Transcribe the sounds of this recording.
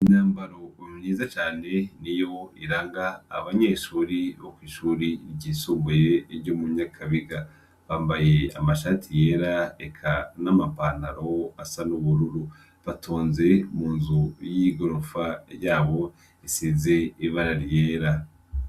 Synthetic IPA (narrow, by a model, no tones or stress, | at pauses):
iɲaːmbaɾo̞imɲiːzat͡ʃaːne̞nijo̞iɾaːŋɡa̰ːβaɲe̞ːʃuːɾiβokwiːʃuːɾiɾɟiːsuːmuje̞ːɾɟomuɲakʰaβiɡa | βaːmbaje̞a̰maʃaːtʰije̞ːɾaḛkʰanamapanaɾo̞asanuβuɾuɾu | βatʰoːnze̞muːnzujiɡoɾofajaːβo̞ | esize̞iβaɾaɾijeːɾa